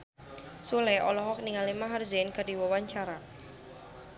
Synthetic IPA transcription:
sulɛʔɔlɔɦɔk̚niŋalimaɦarzɛnkadiwɔwaɲt͡ʃaɾa

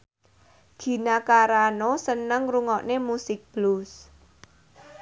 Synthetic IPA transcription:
ɡ̥i̤nakaɾanosənəŋruŋɔʔnemusɪk̚b̥lus

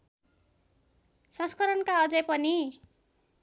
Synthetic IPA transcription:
sʌ̃skʌɾʌnkaʌd͡zʌjpʌni

